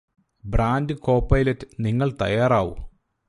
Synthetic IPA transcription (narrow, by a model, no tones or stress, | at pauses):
braːndɨko̞ːpːɐjlɐtːɨniŋːɐɭt̪ɐ̰jːaːraːʋṵ